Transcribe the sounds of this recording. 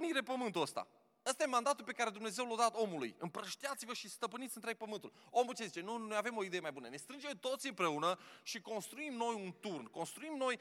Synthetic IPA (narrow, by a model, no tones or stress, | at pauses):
niɾe̞pəmɨnt̪uəst̪a̰ | əst̪ajemand̪at̪ulpe̞kaɾe̞d̪umne̞ze̞wlad̪at̪o̞mulṵjɨmpɾəʃt̪iat̪sivəʃist̪əpɨnit̪siɨnt̪ɾe̞ɡ̚pəmɨnt̪ulo̞mult͡ʃezit͡ʃe̞nunojave̞mo̞id̪ejemajbunəne̞st̪ɾɨnd͡ʒe̞mt̪o̞t̪sʲɨmpɾe̞unəʃiko̞nst̪ɾuimno̞junt̪urnko̞nst̪ɾuimno̞j